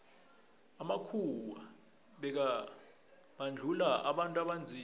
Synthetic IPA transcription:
amakʰuwa | ɓɛk̬a | ɓand͡ɮʱulaʔa̰ɓantʼuaɓand͡zʱiː

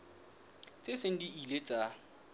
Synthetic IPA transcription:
t͡sʼesɪn̩diilet͡sʼa

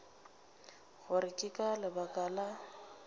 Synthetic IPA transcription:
ɣʊɾɪkʼɪkʼalɪbakʼala

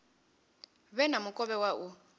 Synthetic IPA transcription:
βɛnamʊkʼɔβɛwaʔu

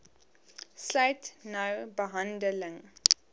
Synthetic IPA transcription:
slɐɥtnɐwbəɦɐndələŋ

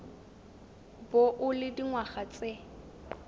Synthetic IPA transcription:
boʔʊlɪdiŋwaχat͡sʼe

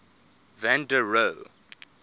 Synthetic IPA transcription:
væ̃ndəɹo

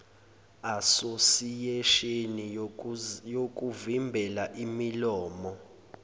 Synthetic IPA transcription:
asosijeʃeni | jok̬ʼuvimbʱɛlaʔimilɔːmɔ

